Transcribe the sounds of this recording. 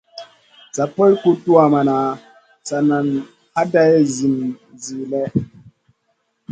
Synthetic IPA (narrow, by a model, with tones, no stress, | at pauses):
sa˨pɔ˦jku˦tu˦a˨ma˨na˨ | sa˨na˨n | ha˦da˦je˦zi˨nzi˨lɛ˦